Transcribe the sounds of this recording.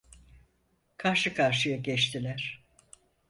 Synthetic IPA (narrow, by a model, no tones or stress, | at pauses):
kʰaɾʃɯkʰaɾʃɯjaɟɛt͡ʃt̪ʰilʲæɾ̥